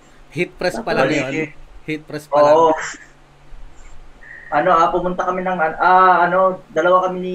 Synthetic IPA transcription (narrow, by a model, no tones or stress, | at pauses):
hit̪̚pɾɛspɐlɐanɐjonhit̪̚pɾɛsoɐːo | ʔɐno̞ʔapʊmʊnt̪ɐkɐmɪnɐŋʔɐnʔaːʔɐno̞d̪ɐlɐwakɐmɪni